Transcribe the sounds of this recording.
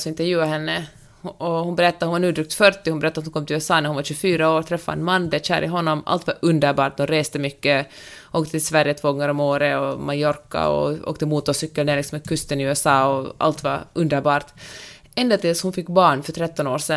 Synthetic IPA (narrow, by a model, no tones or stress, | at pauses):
sɔɪnt̪əɾjʉ̟ːaɦɛnːə | ɔhʊnbɛɾɛt̪ːaɾhʊnvaɳʉːd̪ɾʏkt̪fœʈːɪhʊnbɛɾɛt̪ːat̪hʊnkɔmt̪ʰɪlʉɛsɑːnæɾhunvaɾɕʉfyːɾaoːɾt̪ʰɾɛfːaɛ̰nmand̪ɛʂæ̰ːɾʔɪɦɔnːɔmʔa̰lt̪vaɾɵnd̪əɾbɑːʈ̚d̪ʊnɾeːst̪əmʏkːəʔoːkt̪ət̪ʰɪlsvæɾjət̪ʰvoːɡɔŋːəɾɔmoːɾəɔmajɔɾka̰ɔ̰o̰ːkt̪əmuːt̪ɔsʏkːəleːlɪksɔmɛkʰɵst̪ənɪʉːɛsɑːɔa̰lt̪va̰ɵnd̪əɾbɑːʈ̪ | ɛnd̪at̪ɪlshʊnfɪkːbɑːɳfœʈʰɾɛt̪ːɔnoːɾʂɛ